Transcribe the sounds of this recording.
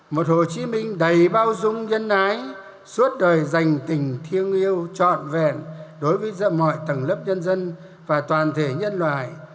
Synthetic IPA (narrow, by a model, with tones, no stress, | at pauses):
mo˨˩t̚ho˨˩t͡ɕi˨˦mï˧ŋ̟ɗə˨˩jɓaː˧wzʊ˧ŋ͡mɲə˧nːaː˨˦j | su˦˥ət̚ɗəː˨˩jza˨˩jŋ̟t̪ï˨˩ŋ̟t̪ʰi˧əŋi˧əwt͡ɕɔ̰˧˨nvɛ˧˩nɗo˨˦jvəː˨˦jzə̰ː˧˨mɔ̰˧˨jt̪ə˨˩ŋlə˦˥p̚ɲə˧nzə˧n | vaː˨˩t̪waː˨˩nt̪ʰe˧˩ɲə˧nlwa̰ː˧˨j